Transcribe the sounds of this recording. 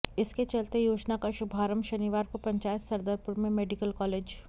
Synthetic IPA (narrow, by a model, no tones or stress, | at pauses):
ɪsket͡ʃɐlt̪ejoːd͡ʒnakaʃʊbʱaːɾəmʃɐniʋaːɾkopɾɐ̃ɲt͡ʃaːjət̪sɐɾd̪əɾpʊɾmẽmeːɖikəlkɔːleːd͡ʒ